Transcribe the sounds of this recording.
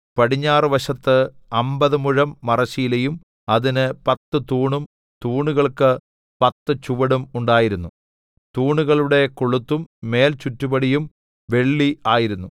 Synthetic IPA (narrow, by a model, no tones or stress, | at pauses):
pɐɽiɲːaːrɨʋɐɕɐt̪ːɨɐmbɐðɨmuɻɐmːɐrɐɕijlejum | ɐðinɨpɐt̪ːɨt̪uːɳum | t̪uːɳuɣɐɭkɨ | pɐt̪ːɨt͡ɕuʋɐɽumuɳɖaːjiɾunːu | t̪uːɳuɣɐɭuɽe̞koɭut̪ːumːe̞ːlt͡ɕutːubɐɽijum | ʋe̞ɭːiaːjiɾunːu